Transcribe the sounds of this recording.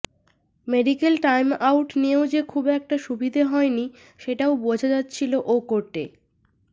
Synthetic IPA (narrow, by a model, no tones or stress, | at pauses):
meɖikelʈajmawʈneod͡ʑekʰubɛk̚ʈaʃubid̪ʱaɦɔeni | ʃeʈaobod͡ʑʱad͡ʑatːɕʰiloʔokoɾʈe